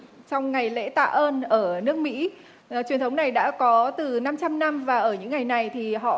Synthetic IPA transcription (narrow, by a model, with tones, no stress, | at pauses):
t͡ɕɔ˧wŋ͡mŋa˨˩jlḛ˧˥t̪a̰ː˧˨ʔəː˧nʔəː˧˩nɨ˦˥ək̚mḭ˧˥˩ | t͡ɕwi˨˩ənt̪ʰə˨˦wŋ͡mna˨˩jɗa̰ː˧˥kɔ˨˦t̪ɨ˨˩na˧mt͡ɕa˧mna˧mvaː˨˩ʔəː˧˩ɲɨ̰˧˥ŋːa˨˩jna˨˩jt̪ʰi˨˩ɦɔ̰˧˨